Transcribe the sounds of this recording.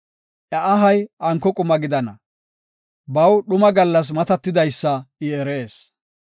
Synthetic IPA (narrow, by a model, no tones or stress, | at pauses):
ʔɐʔɐɦɐjʔɐŋkːɔkʼʊmɐɡɪd̪ɐnɐ̰ | bɐwɗʊmɐɡɐlːɐs̬mɐt̪ɐt̪ːɪd̪ɐjsːɐɪɛɾeːs